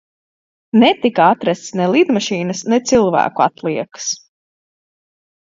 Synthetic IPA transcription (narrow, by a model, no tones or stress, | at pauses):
nɛt̪ikaat̪ɾæst̪snɛlˠid̪maʃiːnɐsnɛt̪silˠvæ̰ːkua̰t̪lˠiɛkə̥s